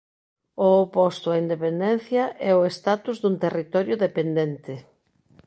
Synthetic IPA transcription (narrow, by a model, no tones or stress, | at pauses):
oopɔst̪ʊaind̪epend̪ɛnθjɐʔɛʊest̪at̪uzðunt̪erit̪ɔɾjʊðepend̪ent̪ɪ